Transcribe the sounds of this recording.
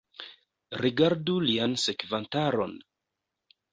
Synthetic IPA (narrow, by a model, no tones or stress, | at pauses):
ɾiɡaɾdulianse̞kvantaɾo̞̰n